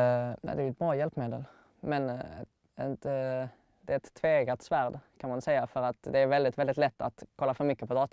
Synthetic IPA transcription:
næ̰ɪd̪ɛɾjɛt̪bɾɑːjɛlpːmeːd̪ə̰l | mɛn | ɛt̪ | d̪̥ɛɾɛt̪ʰːveːɡat̪sʋæɾd̪kʰanmansɛɪafœɾat̪d̪ɛæɾʋɛld̪ɪt̪ʋɛld̪ɪt̪lɛt̪ːat̪kʰɔlːafœɾmʏkːəpʰɔd̪ɑːt̪

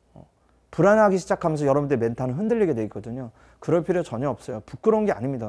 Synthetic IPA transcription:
ʌ̰ | puɾanɦaɡiɕʰid͡ʑakʰamjʌnsʰʌjʌɾʌbunt͈eme̞ntʰanɯnɦɯndɯʎːiɡe̞dwe̞ik͈ʌdɯɲo | kɯɾʌɭpʰiɾjot͡ɕʌɲʌʌp̚s͈ʌjopuk͈ɯɾonɡea̰ɲimɲida

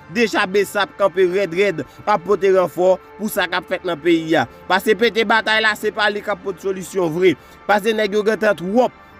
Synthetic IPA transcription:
d̪eʒabesaːp̚kɐ̃peʁɛd̪ɣɛd̪apːot̪̬eʁãfɔpusakapfɛt̪̚nɐ̃peia | pasep̬et̪̬ebat̪ajlasepalekapːɔt̪solysjɔ̃vʁɛ | pas̬enɛɡjoɡɛ̃t̪ãt̪wɔp̚

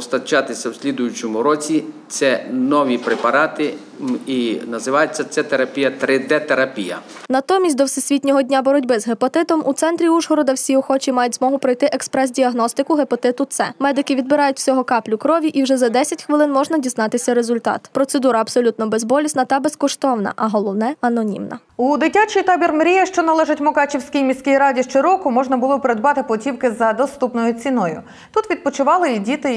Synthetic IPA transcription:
ɔst̪ɐt͡ʃɑt̪ɪsʲɐwsʲlʲid̪ʊjʊt͡ʃɔmʊɾɔt͡sʲit̪sɛnɔʋʲipɾepɐɾɑt̪ɪ | inɐzɪʋɑjet͡sʲːɐt̪sɛt̪eɾɐpʲijɐt̪ɾɪd̪ɛt̪eɾɐpʲijɐ̰ | nɐt̪ɔmʲisʲt̚ʲd̪ɔwsʲɪsʲʋʲitʲnʲɔɦɔdʲnʲabɔɾɔdʲbɪzɦepɔt̪ɪt̪ɔmʔut̪sɛnt̪ɾʲiuʒɦɔɾɔd̪ɐwsʲiɔxɔt͡ʃʲimɑjʊtʲzmɔɦʊpɾɔjt̪ɪʔɛkspɾɛs̬dʲiɐɦnɔst̪ɪkʊɦepɔt̪ɪt̪ʊt̪sɛmɛd̪ɪkɪʋʲid̪bɪɾɑjʊtʲsʲɔɦɔkɑplʲʊkɾɔʋʲiʔiwʒɛzɐd̪ɛsʲɐtʲxʋɪlˠɪnmɔʒnɐdʲiznɑt̪ɪsʲɐɾezʊlʲt̪ɑ̰t̪pɾɔt̪sed̪uɾɐːbsɔlʲut̪nɔbezbɔlʲisʲnɐt̪ɐbeskɔʃt̪ɔwnɐ̰ʔɐɦɔlˠɔwnɛɐnɔnʲḭmnɐ̰ | ud̪ɪtʲat͡ʃijt̪abʲirmɾʲijɐʃt͡ʃɔnɐlˠɛʒɐtʲmɔkɑt͡ʃʲiwsʲkʲijmʲisʲkʲɪjɾɑdʲiʃt͡ʃeɾɔkʊmɔʒnɐbʊlˠɔpeɾed̪bɑt̪ɪpɔtʲiwkɪzɐd̪ɔst̪upnɔjʊt͡sʲinɔjʊ | t̪ut̪ʋʲid̪̚pɔt͡ʃʊʋɑlˠɪidʲit̪ɪ

